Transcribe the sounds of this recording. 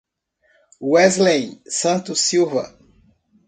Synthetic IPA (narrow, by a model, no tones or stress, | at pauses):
uɛzlẽj̃sɐ̃t̪ʊsiwvɐ̰